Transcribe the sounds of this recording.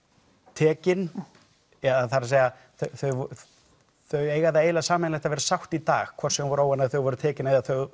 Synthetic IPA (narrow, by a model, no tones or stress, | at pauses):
t̪ʰɛːcɪn | ɛðaθaɾaseːja | θœθœɥv | θœɥeːjɣaðaeːjlasaːmɪnlɛjht̪avɛɾasawxt̪it̪a̰ːɣkʰvɔɾ̥sɛmvɔɾaːwanaðθœɣvɔɾʏt̪ʰɛːcɪnaðaθœɣ